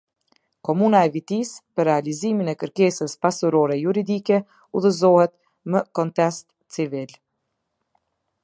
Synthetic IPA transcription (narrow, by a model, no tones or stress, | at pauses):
kɔmunaɛvit̪ispəɾɛaliziminɛkəɾkɛsəspasuɾɔɾɛjuɾid̪ikɛ | uðəzɔhɛt̪̚ | məkɔnt̪ɛst̪ | t͡sivil